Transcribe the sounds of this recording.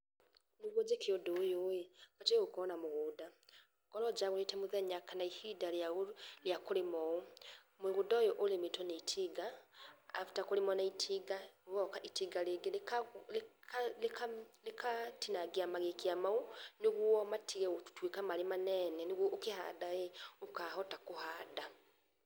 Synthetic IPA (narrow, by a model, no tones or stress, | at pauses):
niɣwɔd͡ʒekiodojojebateɣokɔnamoɣuːda | ɡ̥ɔlɔd͡ʒaɣonetɛmuðɛɲakʰanaihidaljaɣoljakoɾemɔo | mwɣudaojɔʔolemetɔneitʰiɡaː | fu̥takoɾemɔnaitʰiɡaɣɔkaʔitiɡaleɡelk | lkalekatinaɡeamaɣekiamaoneɣwɔmatʰiɣɛotu̥twekamaɾemanɛnɛneɣwɔʔokeha̰daeokahɔtakohaːda